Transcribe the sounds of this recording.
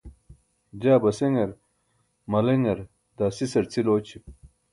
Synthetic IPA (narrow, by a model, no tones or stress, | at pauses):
d͡ʑaːbɐseŋɐɾ | mɐleŋɐɾ | d̪aːsisɐɾt͡sʰiloːt͡ɕʰip